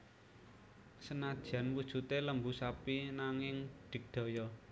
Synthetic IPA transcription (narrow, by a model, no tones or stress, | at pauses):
sənad̥ʒ̥ä̤nwud̥ʒ̥ṳt̪eləmbusapinaŋɪŋɖ̪̥ɪ̤k̚d̪̥ɔ̤jɔ